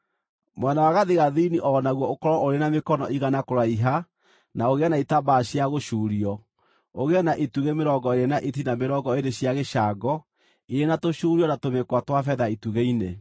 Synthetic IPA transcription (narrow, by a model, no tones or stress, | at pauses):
mwɛnawaɣaðeɣaðiiniʔɔnaɣwɔokɔɾɔoɾenamekɔnɔʔiɣanakoɾaiɦa | naoɣeanaitabaːɕiaɣoʃuːɾiɔ | oɣeanaʔetuɣemeɾɔŋɡɔeɾenaʔetinameɾɔŋɡɔeɾeɕjaɣeʃaɡɔ | iɾenatoʃuːɾiɔnatomekwatwafɛðaituɣeine